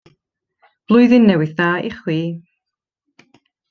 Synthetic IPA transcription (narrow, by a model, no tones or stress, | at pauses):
b̥lˠʊjðɪnːɛwɪθðaːḭχwiː